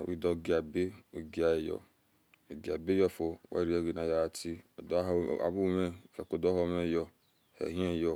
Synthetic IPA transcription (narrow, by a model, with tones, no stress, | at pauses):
wḭ˦dɔ˦˨ɡi˨a˨be˦o˨ɡi˦a˦e˨jɔ̰˦ | o˨ɡi˨a˨be˦jɔ˦fo˨wa̰˦˨ɾi˨˦e˦˨ɡi˨na˨ja˦a˨tʰi˦˨da̰˨bu˦˨me˦˨fe˨ko˨dɔ˦ɦo˦˨me˦jɔ˦ | hḛ˨ɦĩ˦e˦˨jɔ˦